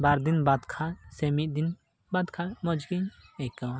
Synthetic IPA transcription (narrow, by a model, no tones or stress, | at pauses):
baɾd̪inbad̪kʰasɛmiʔ̪̚d̪in | bad̪kʰamɔd͡ʒɡiɲɛka